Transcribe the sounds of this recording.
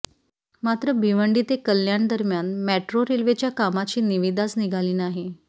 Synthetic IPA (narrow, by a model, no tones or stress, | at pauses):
mat̪ɾəbʱiʋəɳɖit̪ekəljaɳd̪əɾmjanmæʈɾoɾelʋet͡ɕjakamat͡ɕiːniʋid̪at͡sniɡʱaliːnaɦi